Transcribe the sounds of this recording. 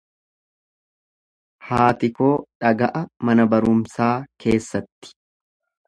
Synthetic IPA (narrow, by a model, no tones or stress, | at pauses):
haːt̪ɪko̞ːᶑɐɡɐʔɐmɐnɐbɐɾʊmsaːkʰe̞ːsːɐt̪ːɪ̥